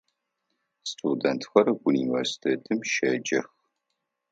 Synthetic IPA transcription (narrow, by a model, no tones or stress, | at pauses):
stʰudɐntʰxɐɾɨuniːvɐrsi̥tʰeːtʰɨmʃɐd͡ʒɐx